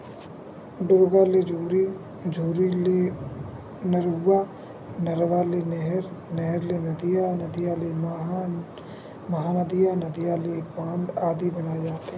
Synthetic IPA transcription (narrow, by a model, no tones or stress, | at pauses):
ɖoːɡaled͡ʒuːɾi | d͡ʒʱuːɾile | nəɾuːaː | nɐɾʋaːlenɛɦɾnɛɦəɾlenɐd̪ijanəd̪ijale | mɐɦaːnəd̪ijanɐd̪ijalebãːnd̪aːd̪ibɐnaːed͡ʒaːt̪e